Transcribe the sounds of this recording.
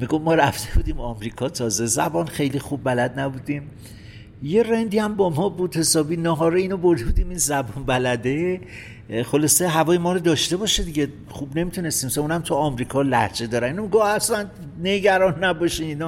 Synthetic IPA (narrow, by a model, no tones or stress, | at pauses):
miɡo̞fmɒːɾæft̪ʰe̞bud̪iːmɒmɾiːkʰɒːt̪ʰɒːze̞zæbɒnχejlixubːælæd̪̚næbud̪im | je̞rend̪iːæmbɒmɒːbuːd̪he̞sɒːbiːnɒːɦɒːɾeinɒbo̞ɾd̪e̞bud̪iːminzæbɒnbælæd̪e̞ | xo̞lɒːse̞ɦævɒːjemɒːɾod̪ɒːʃt̪e̞bɒːʃed̪iɟe | χubne̞mit̪ʰune̞st̪iːmseunæmt̪ʰuɒːmɾiːkʰɒːlæhd͡ʒe̞d̪ɒːɾæniːnomiɡohæst̪æn | ne̞ɟæɾɒnːæbɒːʃiinɒ